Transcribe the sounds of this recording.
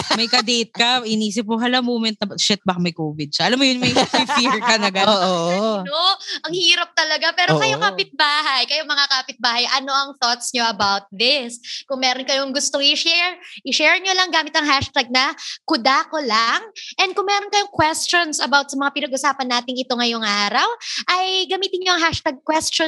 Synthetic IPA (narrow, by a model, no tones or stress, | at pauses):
mɐjkɐd̪ɛjt̪̚kɐʔɪniːs̬ɪp̚mʊɦɐlɐmoːmɛnt̪̚nɐʃɪt̪̚bɐkɐmɐjkoːvɪd̪̚t͡ʃɐʔɐlamːojʊnmɐjfɪfiɹkɐnɐɡɐ | oʔɐŋhiːɾɐp̚t̪ɐlɐɡapɛːɾokɐjokapɪt̪̚baːɦɐjkɐjomɐŋakaːpɪt̪̚baːhɐjʔɐno̞ʔɐŋθot̪sɲo̞ʔɐbawt̪̚ðɪskʊŋmɛːɾonkɐjoŋɡʊst̪oŋɪʃɛɹɪʃɛːɹɲolɐŋɡaːmɪt̪ɐŋɦaʃt̪aɡ̚nɐkʊd̪aːkolaŋʔɛnd̪kʊŋmɛːɾonkɐjoŋkwɛst͡ʃonsɐbawt̪̚sɐmɐŋapɪnɐɡʔʊsaːpɐnːaːt̪ɪŋɪt̪o̞ŋɐjoŋʔaːɾɐwʔɐjɡɐmiːt̪ɪnɲoɐŋɦaʃt̪aɡ̚kwɛst͡ʃo